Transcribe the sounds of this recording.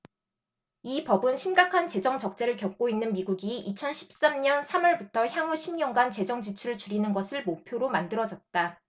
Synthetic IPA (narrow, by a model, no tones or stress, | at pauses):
ipʌbɯnɕʰimɡakʰant͡ɕe̞d͡ʑʌŋd͡ʑʌk̚t͡ɕ͈e̞ɾɯɭkjʌp̚k͈oinːɯnmiɡuɡiit͡ɕʰʌnɕʰi̥p̚s͈amɲʌnsʰamʌɭbutʰʌçjaŋuɕʰimɲʌŋɡant͡ɕe̞d͡ʑʌŋd͡ʑit͡ɕʰuɾɯɭt͡ɕuɾinɯnɡʌsʰɯɭmopʰjoɾomandɯɾʌd͡ʑʌt̚t͈a